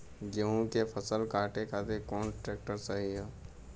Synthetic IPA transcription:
d͡ʒeɦũkepʰəsəlkaːʈekat̪ekɔːnʈɾeːk̚ʈəɾsəɦiɦɛː

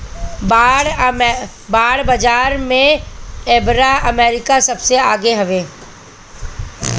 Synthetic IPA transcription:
baːɽ | baːɽbəd͡ʒaːɾmẽeːbɾaəmeːɾɪkasɐbseaːɡeɦɐʋeː

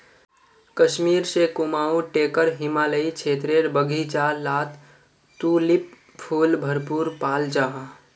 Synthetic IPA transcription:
kəʃmiɾsekumaːuʈekəɾɦɪmaːləit͡ʃʰet̪ɾeɾbəɡʱit͡ʃalat̪ | t̪ulip̚ | pʰulbʱəɾpuɾpaːld͡ʒaɦã

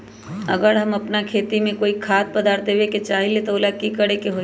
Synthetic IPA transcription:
ɐɡəɾɦɐmɐpnakʰeːt̪imẽkoːikʰaːt̪̚pɐd̪aːɾt̪eʋeket͡ʃaːɦilet̪oːlakikəɽekeɦo

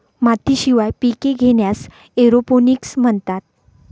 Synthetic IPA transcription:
mat̪ʰiɕiʋajpikeɡʱeɳjas | eɾoponiksm̤əɳt̪at̪̚

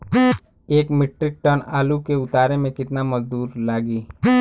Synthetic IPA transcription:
eːkmɪʈɾɪk̚ʈənaːlukeʊt̪aːɾemẽkɪt̪namɐzd̪uːɾlaːɡiː

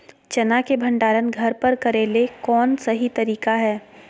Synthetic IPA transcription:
t͡ʃɐnakebʱɐ̃ɳɖaːɾənɡʱɐɾpɐɾkɐɾeːlekɔːnsɐɦit̪ɐɾiːkaɦɛː

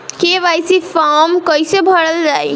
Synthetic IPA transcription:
keʋajsipʰamkəjsebʱəɽəld͡ʒaj

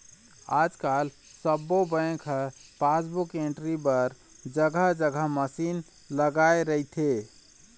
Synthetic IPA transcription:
ad͡ʒkal | səbːobə̃kʰpasbukeɳʈɾibəɾ | d͡ʒəɡʱəɦd͡ʒəɡʱəɦməsin | ləɡaeɾəit̪ʰe

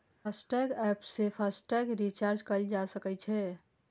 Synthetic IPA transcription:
pʰasʈɛɡɛpsepʰəsʈɛɡɾit͡ʃaɾd͡ʒkəld͡ʒasəkɛt͡ʃʰɛ

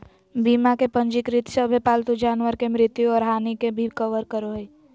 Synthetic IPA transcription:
biːmakepə̃ɲd͡ʒɪkɾɪt̪səbʱepaːlt̪ud͡ʒaːnwəɾkemɾɪt̪juɔːɾɦaːnikebʱikəʋəɾkəɾoɦi

